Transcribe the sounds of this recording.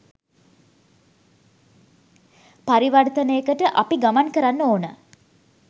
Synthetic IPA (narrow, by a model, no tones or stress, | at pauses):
paɾiʋart̪ənəjəkəʈəʔapiɡamankəɾanːoːnə